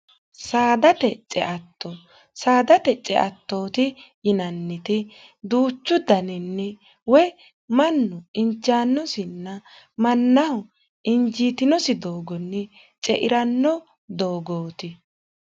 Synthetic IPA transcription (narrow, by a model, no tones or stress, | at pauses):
saːd̪ɐt̪ɛt͡ʃʼɛ̰ʔɐt̪ʰːɔ | saːd̪ɐt̪ɛt͡ʃʼɛ̰ʔɐt̪ːo̞ːt̪ɪjɪnɐnːɪt̪ɪ | d̪uːt͡ʃːʊd̪ɐnɪnːɛ | wɛ | mɐnːʊɪnt͡ʃːaːnːɔsɪnːɐ | mɐnːɐhʊ | ɪnd͡ʒiːt̪ɪnɔsɪd̪oːɡɔnːɛ | t͡ʃʼɛʔɪɾɐnːɔ | d̪oːɡoːt̪ɪ